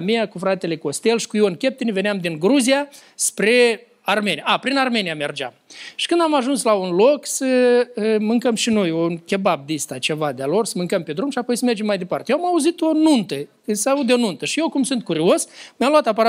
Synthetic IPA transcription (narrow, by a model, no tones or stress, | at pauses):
mijakufɾat̪e̞le̞ko̞st̪e̞lʃi̥kujonkʲe̞p̚t̪enive̞nɪamd̪inɡɾuzijaspɾe̞ | arme̞nijaapɾinarme̞nijame̞rd͡ʒa̰mʃi̥kɨnd̪amaʒunslaunloksə | mɨŋkəmʃino̞jonkʲe̞bab̚d̪ist̪at͡ʃe̞vad̪ealo̞rsəmɨŋkəmpe̞d̪ɾumʃiapojsəme̞rd͡ʒe̞mːajd̪e̞part̪ejeamauzit̪o̞nunt̪ə | ɨsaud̪eo̞nunt̪əʃijewkumsɨnt̪̚kuɾio̞smʲjamlwat̪apaɾa